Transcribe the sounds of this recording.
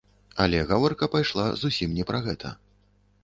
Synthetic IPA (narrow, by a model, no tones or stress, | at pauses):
ɐlʲɛɣavɔrkɐpajʂlˠa̰zusʲimnʲɛpɾɐɣɛt̪ʰɐ̰